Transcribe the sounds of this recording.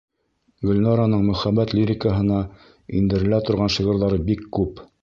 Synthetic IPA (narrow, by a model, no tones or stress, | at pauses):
ɡɵ̆lʲnɑɾanɤɴmɵ̆χæbːæt̪lʲiɾʲɪkəɦɤ̆nɑ | ḭnd̪ɘ̆ɾɘ̆læt̪ŏɾʁɑnʃɤ̆ʁɤ̆ɾðɑɾɤbikːʉp